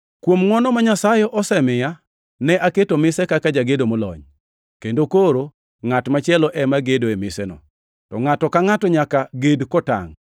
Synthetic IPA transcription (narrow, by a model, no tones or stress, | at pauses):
kwomŋɔnɔmaɲasajɛʔɔsɛmɪja | nɛʔaketomɪsɛkakad͡ʒaɡedomɔlɔ̰ɲ | kendokoɾo | ŋatmat͡ʃɪɛlɔʔɛmaɡedoemɪsɛnɔ̰ | tɔŋatɔkaŋatɔɲakaɡedkɔta̰ŋ